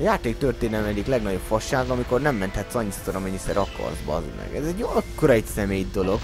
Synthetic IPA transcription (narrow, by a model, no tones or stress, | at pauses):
ɒjaːt̪eːkt̪ørt̪eːnɛlɛmɛɟiklɛɡnɒɟo̞pfɒʃːaːɡɒmiko̞rnɛmːɛnt̪hɛt̪sɒɲːist̪oɾɒmɛɲːisɛɾɒkʰɒ̰rzbɒ̰zmɛ̰ɡɛzɛɟɒkːoɾɒɛcsɛmeːjd̪o̞lo̞ɡ